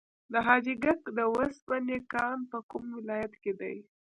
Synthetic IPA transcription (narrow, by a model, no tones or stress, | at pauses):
d̪əɦɑd͡ʒiɡakd̪əwaspanekɑnpəkumwɪlɑjat̪ked̪a̰j